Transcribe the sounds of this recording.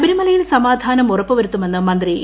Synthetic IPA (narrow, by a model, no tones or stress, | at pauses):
bɐɾimɐlɐjilsɐmaːd̪ʱaːnɐmurɐpːɨʋɐɾut̪ːume̞nːɨmɐnd̪ri